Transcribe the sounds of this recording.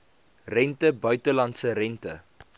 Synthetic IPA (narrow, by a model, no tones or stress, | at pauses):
rɛntəbœɥtəlɐntsərɛntə